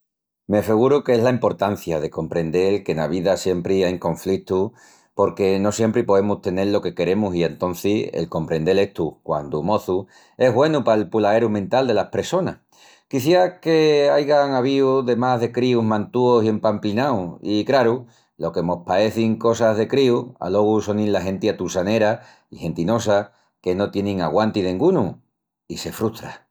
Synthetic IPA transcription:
meafeɣ̞uɾukeeɦlaimpo̞ɾt̪an̟θjaðe̞ko̞mpɾe̞nd̪e̞lke̞naβ̞iðasje̞mpɾiajŋkõ̞ɱflit̪u | po̞ɾke̞no̞sje̞mpɾipo̞ðe̞must̪e̞ne̞ɾlo̞ke̞ke̞ɾe̞musie̞nt̪o̞n̟θiḛlko̞mpɾe̞nd̪e̞le̞ht̪ukwa̰nd̪umo̞θu | e̞ɦɣwe̞nupaelpulae̞ɾumẽnt̪ald̪e̞lahpɾe̞so̞nah | kiθjake̞ajɣaŋaβ̞iuðe̞maɦðe̞kɾiuɦmãnt̪uo̞sie̞mpamplinawikɾaɾu | lo̞ke̞mo̞hpae̞θiŋko̞saðe̞kɾiua̰lo̞ɣ̞usonilːaɦe̞nt̪iat̪usane̞ɾa | ihe̞nt̪ino̞sa | ke̞no̞t̪je̞nĩŋaɣwant̪iðẽŋɡunu | ise̞fɾuht̪ɾa

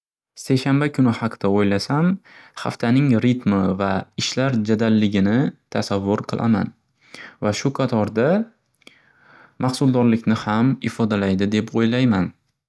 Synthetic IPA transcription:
se̞jʃanbakʰʊnɪhɑqʰɨd̪̥aojlasamha̰ft̪ʰanɪŋɾɪt̪mɪvaɪʃlaɾd͡ʒad̪alːɪɡʲɪnɪt̪ʰasavːʊɾqʰɨlˠa̰ma̰n | vaʃʊqʰɑt̪ʰɒɾd̪a | mɑχsʊlˠd̪ɒɾlɪkʲnɪhamɪfɒd̪alajd̪ɪd̪e̞pʰojlajman

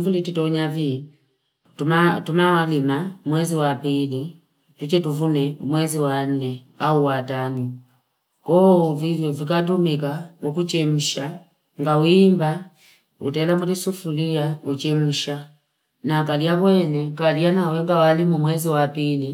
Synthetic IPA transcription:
vulititɔɲavi | tumatumawalimamwɛziwapili | tut͡ʃɛtuvunɛumwɛziwan̩nɛ | auwatanu | kɔvijɔvik̬at̬umikamukut͡ʃɛm̩ʃa | ŋɡawimba | ṵtɛlamulisufulijaut͡ʃɛm̩ʃa | nakalijaβwɛnɛkalijanawɛŋɡawalimumwɛziwapili

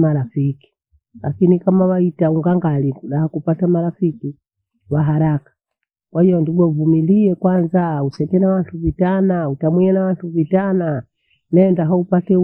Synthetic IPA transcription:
maɾafiki̥ | lakinikamawaitauŋɡaŋɡaliɡuɗahakupatamaɾafiki | waɦaɾakḁ | kwahijɔnduɡɔvumiliɛkwanzausɛkɛnawantuvitanautamwiɛnawantuvitana | nɛndaɦaupatɛ

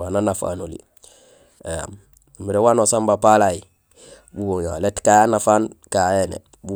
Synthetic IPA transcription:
wananafa̰nulḭ | eja̰m | miɾewanosambapalaji | buwoŋjaletkajanafaːnkaenḛ | bu

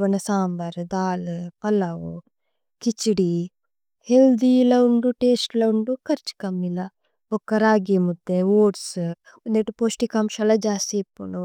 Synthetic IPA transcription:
ʋɐnɐsaːmbɐɾd̪aːlpɐlːɐwu | kit͡ʃːiɽi | held̪ilɐuɳɖuʈeːsʈlɐuɳɖukɐɾt͡ʃi̥kɐmːilɐ | bɔkːɐɾaːɡimud̪ːeoːɖs | und̪eʈuposʈikɐmʃɐlɐd͡ʒaːsepːuɳu

